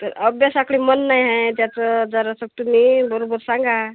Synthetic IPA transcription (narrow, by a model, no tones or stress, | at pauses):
t̪əɾəbjasakɭimənːajɦãjt̪jat͡səd͡zəɾasək̚t̪umibəɾobəɾsãŋɡʱa